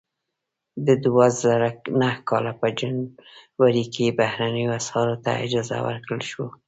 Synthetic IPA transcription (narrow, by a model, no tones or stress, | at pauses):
d̪əd̪wazaɾanahkɑlapəd͡ʒanwaɾikʰebahɾanəjoashɑɾot̪a̰ɪ̰d͡ʒɑza̰wə̰ɾkɽəlʃwo